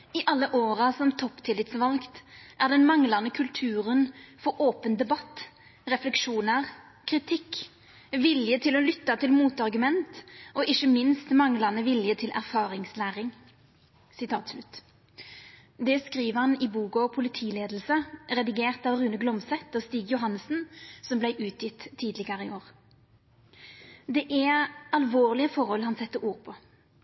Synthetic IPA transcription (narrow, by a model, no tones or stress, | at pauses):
ɪʔɑlːəʔoːʁɑsɔmt̪ʰɔpt̪ʰɪlɪt̪sʋɑlɡt̪ʔæʁd̪ɛnmɑŋlɑnəkʰʉlt̪ʰʉːɾənfɔɾoːpənd̪ɛbɑt̪ː | ʁɛflɛkʂuːnəʁ | kʰʁɪt̪ʰɪk | ʋɪljət̪ʰɪlɔlʏt̪ːɑt̪ʰɪlmuːt̪ɑʁɡʉmɛnt̪ʔɔʔɪçəmɪnst̪mɑŋlɑnəʋɪljət̪ʰɪlʔæ̰ʁfɑːʁɪŋslæːʁɪŋ | sɪt̪ʰɑːt̪slʉt̪ː | d̪ɛskʁiːʋəhɑnɪbuːkɔpʰʊlɪt̪ʰiːleːd̪l̩səʁɛd̪ɪɡeːʁt̪ɑːʋʁʉːnəɡlɔmsɛt̪ːɔːst̪iːɡjʊɦɑnːəsn̩sɔmblæɪʔʉːt̪ʰjɪt̪ʰːiːd̪lɪɡɑɾəɪoːʁ | d̪ɛʔæɑlʋoːʁlɪəfɔɾhɔlhɑnsɛt̪ːəuːʁpʰɔ